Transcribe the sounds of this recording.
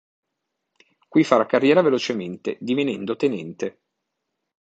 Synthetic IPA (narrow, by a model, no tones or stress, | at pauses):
kwifaɾakarːjɛːɾavelot͡ʃement̪ed̪ivenɛnd̪ot̪enɛnt̪e